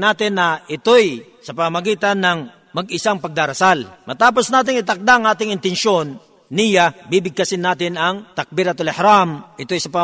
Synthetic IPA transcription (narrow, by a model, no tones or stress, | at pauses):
naːt̪ɪnːɐʔɪt̪oj | sɐpɐŋɐmɐɡiːt̪ɐnːɐŋ | mɐɡɪsaŋpɐɡ̚d̪aɾɐsalmɐt̪aːp̬o̞snaːt̪ɪŋɪt̪ɐk̚d̪aʔŋʔaːt̪ɪŋɪnt̪ɛnʃonː | ijabiːbɪɡ̚kɐsɪnaːt̪ɪnɐŋt̪ɐk̚bɪɾɐt̪olɛhɾamʔɪt̪ojsɐpɐ